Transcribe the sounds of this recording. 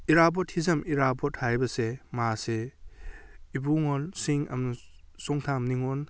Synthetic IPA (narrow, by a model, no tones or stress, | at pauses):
iɾabɔt̚hizɐmiɾabɔt̚hajbɐsemase | ibuŋɔlsiŋɐ̰mnusɔŋtʰamniŋɔn